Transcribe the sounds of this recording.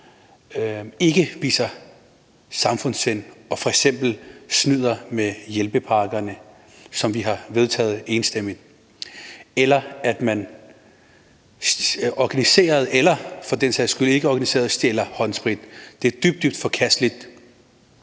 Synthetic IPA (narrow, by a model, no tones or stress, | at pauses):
e̝ɡ̥əʋḭːsɐ | sɑ̈mfɔ̽n̰senɒ̽fɒ̽eɡ̥sem̰b̥l̩snyð̞̰ˠɐmejelb̥əpʰɑ̈ːɡ̥ɐnə | sɒ̽mʋiɦɑ̈ʋe̝ð̞ˠt͡sʰɛ̰ːð̩ˠe̝ːnsd̥em̰iðˠ | elɐæd̥mæn | ɒɡ̥ænise̝̰ːɐð̞ˠelɐfɒ̽d̥en̰sæsɡ̥yle̝ɡ̥əɒɡ̥ænise̝̰ːɐðˠsd̥ielɐhɒ̽nsb̥ʁid̥d̥e̝æɐd̥yb̥̚d̥yb̥̚d̥fɒ̽kʰæsd̥lid̥